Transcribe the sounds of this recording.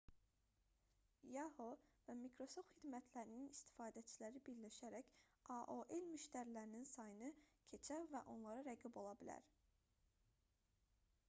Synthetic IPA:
jɑhovæmikʰɾo̞sopχid̪mæt̪ʰlæɾininist̪ʰi̥fɑːd̪æt͡ʃʰilæɾibiɾlæʃæɾæcɑʔoʔelmyʃt̪æɾilæɾininsɑjɯnɯcʰe̞t͡ʃʰævæʔo̞nlˠɑɾɑɾæɡibo̞lˠɑbilæ̰ɾ

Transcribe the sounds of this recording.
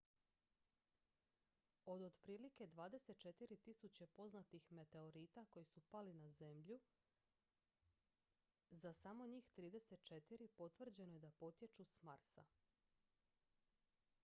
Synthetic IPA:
o̞d̪od̪pɾiːlike̞d̪ʋaːd̪e̞se̞t̪̚t͡ʃe̞t̪iɾit̪isut͡ɕe̞po̞znat̪ixme̞t̪e̞oɾiːt̪ako̞jisupalinaze̞mʎu | zasamo̞ɲiːxt̪ɾiːd̪e̞se̞t̪̚t͡ʃe̞t̪iɾipo̞t̪vr̩d͡ʑe̞no̞je̞d̪apo̞t̪je̞t͡ʃusmaɾsa̰

